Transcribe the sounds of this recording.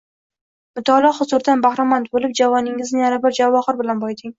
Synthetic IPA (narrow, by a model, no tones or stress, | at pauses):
mʊt̪ʰɒlˠɒhʊzʊɾd̪anbahɾɒmant̪̚bolɪp̚d͡ʒavɒnɪŋɪznɪjaɾabɪɾd͡ʒavɒχɨɾbɪlanbɒjt̪ʰɪŋ